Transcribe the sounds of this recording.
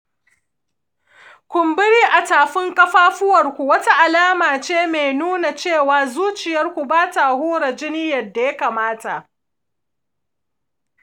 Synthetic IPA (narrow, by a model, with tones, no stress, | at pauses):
kʷʊ˨mbɪ˦ɽiː˦ʔa˨taː˨ɸɪ˦ŋkʼɐ˦ɸaː˦ɸʊ˦wɐ˨rkʷu˨wɐ˦ta˦ʔa˨laː˦maː˨t͡ʃeː˦me˨jnuː˦na˨t͡ʃeː˦˨waː˨zuː˦t͡ʃɪ˨jɐ˦rkʷu˨baː˦taː˨hoː˦ɽa˨d͡ʒɪ˦ni˦jɐ˨rda˨ja˦kaː˨maː˦ta˨ʔ